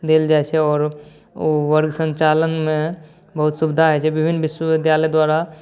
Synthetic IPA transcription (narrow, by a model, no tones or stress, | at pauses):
d̪eːld͡ʒaːet͡ʃʰɛɔːɾ | oʋəɾɡsə̃ɲt͡ʃaːlənmẽ | bɐɦʊt̪sʊbd̪ʱaɛt͡ʃʰɛbɪbʱɪnʋɪʃwəʋɪd̪jaːləd̪waːɾa